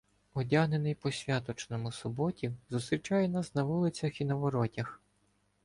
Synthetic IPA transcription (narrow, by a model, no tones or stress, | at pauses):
ɔdʲaɦnenɪjpɔsʲʋʲat̪ɔt͡ʃnɔmʊsʊbɔtʲizʊst̪ɾʲit͡ʃɑjɛnɑsnɐʋulˠɪt͡sʲɐxinɐʋɔɾɔtʲɐx